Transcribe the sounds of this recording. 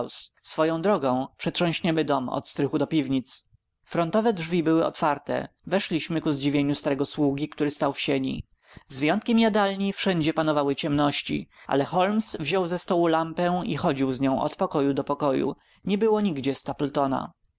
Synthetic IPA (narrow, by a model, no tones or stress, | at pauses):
wssfɔjɔ̃w̃d̪ɾɔɡɔ̃w̃pʂɛtʂɔ̃w̃ɕɲɛmɘd̪ɔmɔ̰t̪st̪ɾɘxud̪ɔpʲivɲit̪s | fɾɔnt̪ɔvɛdʐvʲibɘwɘɔ̰t̪faɾt̪ɛ̰ | vɛʂlʲiɕmɘkuzd͡ʑivʲjeɲust̪aɾɛɡɔswuɡʲikt̪uɾɘst̪awfɕeɲḭ | zvʲjɔnt̪̚kʲɛmjad̪alɲifʂɛɲd͡ʑɛpanɔvawɘt͡ɕɛmnɔɕt͡ɕḭʔa̰lɛxɔlmsvʑɔwzɛst̪ɔwulampɛḭxɔd͡ʑiwzɲɔ̃w̃ʔɔ̰t̪pɔkɔjud̪ɔpɔkɔjṵ | ɲɛbɘwɔɲiɡd͡ʑɛst̪apɛlt̪ɔna̰